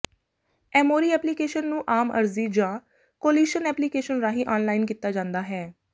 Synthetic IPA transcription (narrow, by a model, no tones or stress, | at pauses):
ɛːmoːɾiːɛːplikeːʃənːũːʔaːmə̰ɾziːd͡ʒãː | koːliːʃənɛːplikeːʃənɾaːɦiːʔɔːnlaːinkiːt̪ːaːd͡ʒãːnd̪aːɦɛː